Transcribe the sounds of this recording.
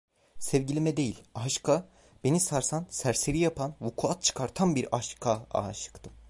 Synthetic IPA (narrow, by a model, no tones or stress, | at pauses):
sɛvɟilʲimɛd̪e̞jilʲaʃkʰa | b̥e̞nisaɾsansæɾseɾijapʰanvukʰuat̪̚t͡ʃʰɯ̥kʰaɾt̪ʰanbiɾaʃkʰaa̰ʃɯ̥kt̪ʰɯm